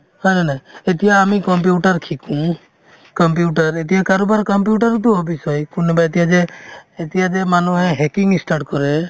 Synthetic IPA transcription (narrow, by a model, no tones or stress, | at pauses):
hɔjnanaet̪ijaːmikɔmp̬juʈaɾkʰikũ | kɔmp̬juʈaɾet̪̬ijakaɾobaɾkɔmpjuʈaɾt̪̬uɦopisɔjkunebaet̪ijad͡ʒeːt̪ijad͡ʒemanuɦɛ̃ɦɛkiŋisʈaʈkɔɾe